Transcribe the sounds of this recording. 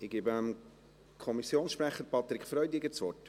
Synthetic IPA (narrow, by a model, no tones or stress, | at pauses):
ɪɡ̥iːbəm | kʰɔmisjoːnsʃpɾæχːəɾpɑt̪ɾɪkfɾœʏd̪iɡət͡sʋɔrt